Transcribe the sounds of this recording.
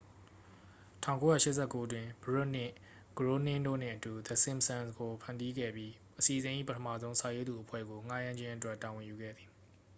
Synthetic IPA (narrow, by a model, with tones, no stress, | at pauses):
tʰã̰˦˨ko˦jä̰˦˨ʃɪ˦ʔsʰɛ˦˨ko˦dwɪ̃˨bəɹʊ˦˨n̥ɪ̃˦˨ | ɡ̥əɹo˦nɪ̃˦˨ndo̰˦˨n̥ɪ̰̃˦˨ʔətu˨d̪ə˨sɪ̃˦˨msã˨nsɡo˨pʰã˨ndi˦ɡɛ̰˦˨bji˦ | ʔəsi˨ʔəzɪ̃˨ʔḭ˦˨pətʰəmä̰˦˨zõ˦ʊ̃sʰa˨je˦d̪u˨ʔəpʰwɛ̰˦˨ɡo˨ŋa˦jã˦ɲd͡ʑɪ̃˦ʔətwɛ˦˨tːa˨wɪ̃˨ju˨ɡɛ̰˦˨d̪ði˨